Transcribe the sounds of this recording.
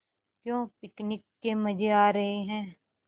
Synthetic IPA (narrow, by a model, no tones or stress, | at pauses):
kjõːpɪknɪkːemɐd͡ʒeaːɾɐɦeɦɛ̃ː